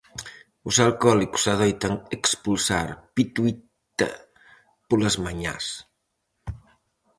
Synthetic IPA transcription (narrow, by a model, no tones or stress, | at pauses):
uzalˠkɔliku̥saðɛjt̪əŋəkspulˠsaɾpit̪wi | t̪ə̰ | puləzmaɲa̰s